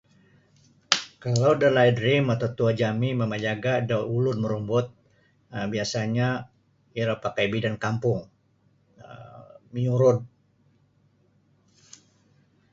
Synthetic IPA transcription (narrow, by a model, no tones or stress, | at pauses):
kalawdəlajdɾimat̪awt̪uad͡ʒamiməmad͡ʒaɡadawulʊnməɾumbʊt̪̚ | biasaɲa | iɾapakajbidankampʊŋ | məɲuɾʊn